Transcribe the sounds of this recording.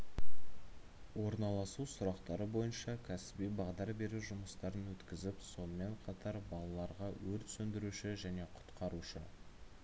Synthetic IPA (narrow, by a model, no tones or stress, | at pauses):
wo̞ɾnɑlˠɑsusʊɾɑqt̪ɑɾəbo̞jənʃɑkʲʰæsɪ̥bijbɑʁd̪ɑɾbe̞ɾuʒʊməst̪ɑɾənwɵt̪kʲɪzɪpso̞nəme̞ɴqʰɑt̪ɑɾbɑlˠɑlˠɑɾʁɑwɵɾt̪sɵnd̪ɪɾuʃɪʒæne̞qʰʊ̥t̪qɑɾuʃə̰